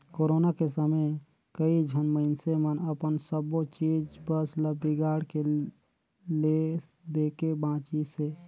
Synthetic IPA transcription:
koːɾoːnakesəməj | kəid͡ʒʱənməɪnsemənəpənsəbot͡ʃiːd͡ʒbəsləbiɡaːɽke | led̪eːkebãːt͡ʃise

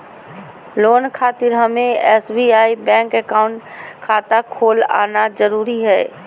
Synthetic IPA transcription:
loːnkʰaːt̪ɪɾɦəmẽɛːsbiaːibɛ̃ːŋkɛkaːʊ̃ɳʈkʰaːt̪akʰoːla̰ːnad͡ʒəɾuːɾiɦɛː

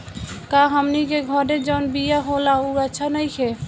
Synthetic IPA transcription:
kaɦəmnikeɡʱɔɾed͡ʒɔnbijaɦolauətːt͡ʃʰanəjkʰe

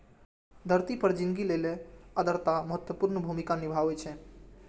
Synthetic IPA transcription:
d̪ʱəɾt̪ipəɾd͡ʒɪnɡileleəd̪əɾt̪aməɦət̪wəpuɾnəbʱumikanibʱaʋɛt͡ʃʰe

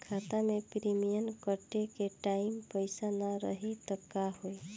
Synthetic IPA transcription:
kʰat̪amepɾimijənkəʈekeʈaɪmpəɪsanaɾə̰ɦit̪əkːaɦoi

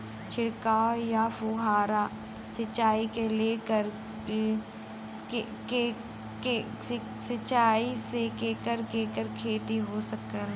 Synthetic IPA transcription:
t͡ʃʰɪɽkaːojafoːɦaːɾa | sɐt͡ʃaːikeleːkəɾ | ke | e | sɐt͡ʃaːisekeːkəɾkeːkəɾkʰeːt̪iɦoːsəkːəl

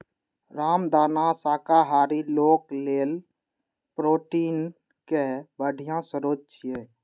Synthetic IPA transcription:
ɾaːmd̪aːnasaːkaɦaːɾiloːkleːl | pɾoːʈiːn | kebəɽʱijãsəɾot̪̚t͡ʃʰije

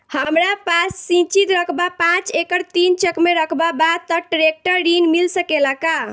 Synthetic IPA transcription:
həmɾapasːĩt͡ʃit̪ɾəkʰbapãt͡ʃekəɾt̪int͡ʃəkmeɾəkʰbabad̪̚t̪əʈɾek̚ʈəɾːinmilsəkelaka

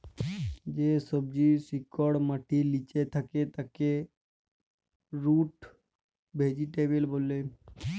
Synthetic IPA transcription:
d͡ʒesəb̚d͡ʒisikəɽməʈʰilit͡ʃet̪ʰəket̪ake | ɾuːʈ | bʱed͡ʒiʈebelbolːe

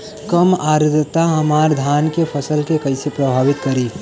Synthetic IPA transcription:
kəmaːɾd̪ət̪aɦɐmaːɾd̪ʱaːnkepʰɐsəlkekɐɪsepɾɐbʱaːʋɪt̪kɐɾiː

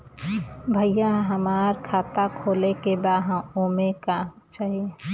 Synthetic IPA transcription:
bʱəjaɦəmaːɾkʰaːt̪akʰoːlekebaɦə̃oːmeka | t͡ʃaːɦie

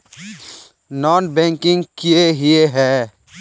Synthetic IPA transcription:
nɔːnbɛ̃ːŋkɪ̃ŋɡkijeɦieɦɛː

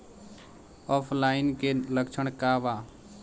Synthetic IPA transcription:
ɔːpʰlaːɪnkeləkt͡ʃʰəɳ̃kaːʋaː

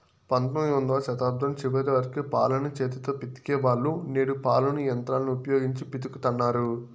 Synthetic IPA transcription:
pɐnt̪ɐmond̪aːʃɐt̪aːb̚d̪ʱɐmt͡ʃiʋɐt̪iʋɐɾkipa̰ːlɐnɐt͡ʃeːt̪it̪oːpit̪i̥keːʋaːɭːuneːɽupaːlunijɐnt̪ɾaːlɐniupɐjoːɡiɲt͡ʃipit̪ikut̪ɐnːaːɾu

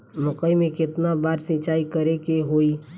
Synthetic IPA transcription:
mʊqəimẽkɪt̪nabaːɾsɪ̃t͡ʃaːikəɾekeɦoːiː

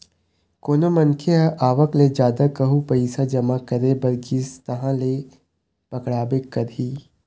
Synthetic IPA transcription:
koːnomɐŋkʰeʔaːʋəkled͡ʒaːd̪akɐɦupɐiːsad͡ʒɐmakɐɾebɐɾɡist̪ɐɦãle | pɐkɽaːbekɐɾiː

